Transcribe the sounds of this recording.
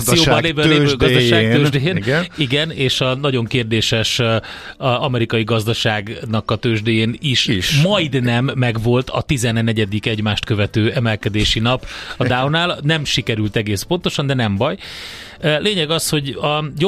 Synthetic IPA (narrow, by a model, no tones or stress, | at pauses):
sijoːɒleːvøleːvøɡɒd̪ɔʃaːɡ̪øːʒd̪ejeːnniɡɛneːʃɒnɒɟo̞ŋkeːrd̪eːʃɛʃ | ɒmɛɾikɒjiɡɒzd̪ɒʃaːɡnɒkɒt̪øːʒd̪ejeːniʃʃmmɒjd̪nɛmːɛɡvo̞lt̪ʰɒ̰t̪izɛnnːɛɟɛd̪ikɛɟmaːʃt̪kø̞vɛt̪øːɛmɛlkɛd̪eːʃinɒpɒd̪awnaːlnɛmʃikɛɾylt̪ɛɡeːspo̞nt̪o̞ʃɒnd̪ɛnɛmbɒj | leːɲɛɡɒsho̞ɟɒjo